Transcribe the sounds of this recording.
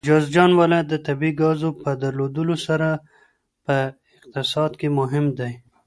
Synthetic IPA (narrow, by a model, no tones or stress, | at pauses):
d͡ʒɑzd͡ʒɑnwalɑjat̪̚d̪ət̪abiɡɑzopəd̪aɾlod̪əlosaɾa | pə | ɪq̚t̪ɪsɑd̪kemʊɦɪmd̪aj